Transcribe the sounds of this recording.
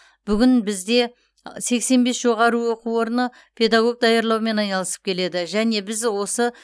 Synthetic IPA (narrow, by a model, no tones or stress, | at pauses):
b̥ʏɡʲɪnbɪzd̪e̞ | se̞kse̞nbe̞sʒo̞ʁɑɾəwo̞quwo̞ɾnə | pʰe̞d̪ɑɡo̞ɡ̚d̪ɑjɑɾlˠɑwme̞nɑjnɑlˠəsə̥p̚kʲʰe̞le̞d̪ɪʒæne̞bɪzwo̞sə